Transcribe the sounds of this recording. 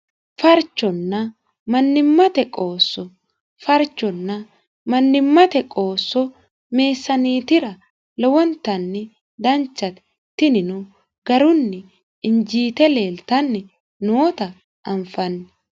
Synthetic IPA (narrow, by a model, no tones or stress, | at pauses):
fɐɾt͡ʃːɔnːɐ | mɐnːɪmːɐt̪ɛkʼo̞ːsːɔ | fɐɾt͡ʃːɔnːɐ | mɐnːɪmːɐt̪ɛkʼoːsːɔ | me̞ːsːɐniːt̪ɪɾɐ | lɔwɔnt̪ːɐnːɪ | d̪ɐnt͡ʃːɐt̪ɛ̥ | t̪ːɪnɪnʊ | ɡɐɾʊnːɪ | ɪnd͡ʒiːt̪ɛle̞ːlt̪ɐnːɪ | noːt̪ɐ | ɐɱfɐnːɛ